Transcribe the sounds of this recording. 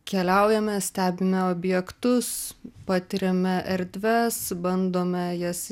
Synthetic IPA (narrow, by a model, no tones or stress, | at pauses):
kʲɛlʲɛʊjɛmʲɛsʲt̪ʲæːbʲɪmʲɛoːbʲjɛkt̪ʊspɑːt̪ʲɪɾʲɛmʲɛʔɛɾʲd̪ʲʋʲɛsbɐnd̪oːmʲɛjɛs